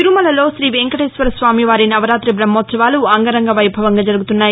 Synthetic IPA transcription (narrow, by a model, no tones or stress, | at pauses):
iɾumɐlɐlo̞ːʃɾiːʋeːŋkɐʈeːsʋɐɾɐsʋaːmiʋaːɾinɐʋɐɾaːt̪ɾibɾɐmːoːt̪sɐʋaːluɐŋɡɐɾɐŋɡɐʋɐjbʱɐʋɐŋɡaːd͡ʒɐɾuɡut̪unːaːji